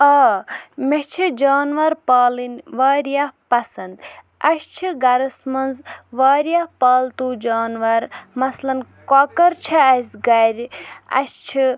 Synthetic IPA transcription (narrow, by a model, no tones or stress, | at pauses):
ɐːmet͡ʃʰid͡ʒaːnʋɐɾpaːlinʋaːɾjapɐsɐnd̪ | ɐst͡ʃʰiɡɐɾɐsmɐnzʋaːɾjapaːlt̪uːd͡ʒaːnʋɐɾmɐslɐnkɔkɐɾt͡ʃʰiɐsʲɡɐɾʲiɐ̰st͡ʃʰi